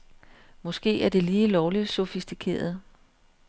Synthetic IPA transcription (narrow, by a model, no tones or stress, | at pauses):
mɒ̽sɡ̥e̝̰ːæɐd̥e̝liːlɒʊli̥sɔfisd̥ikʰe̝̰ːɐð̞̩ˠ